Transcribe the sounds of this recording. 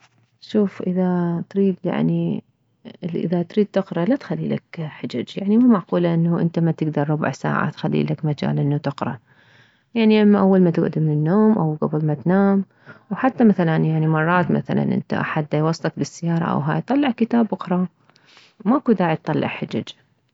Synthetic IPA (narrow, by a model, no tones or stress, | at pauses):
ʃuːfʔɪðat̪ɾiːd̪ja̰ʕni | ʔɪ̰ðat̪ɾiːd̪̚t̪ɪqɾɑʔlat̪xalːḭla̰kħad͡ʒad͡ʒjaʕnimamaʕquːlaʔɪnːaʔɪ̰nt̪amat̪ɪɡd̪ɑɾˤɾʊbʊ̰ʕsa̰ːʕa̰t̪xalːḭlakmad͡ʒa̰ːlʔɪnːat̪ɪqɾɑ̰ | jaʕniʔamːaʔawːalmat̪ʊɡʔd̪imɪnɪnːoːmʔawɡabɪlmat̪naːm | wħat̪ːamaθalanjaʕnimɑrˤːɑːt̪ma̰θa̰la̰nʔɪ̰nt̪a̰ʔa̰ħad̪ːajwɑsˤːlɑkbɪsːɪjɑːɾˤɑ̰ʔa̰wɦaːjt̪ˤɑlːɪʕkɪt̪aːbʔʊxɾˤɑ | wmaʔkud̪aːʕit̪ˤɑlːɪ̰ʕħad͡ʒad͡ʒ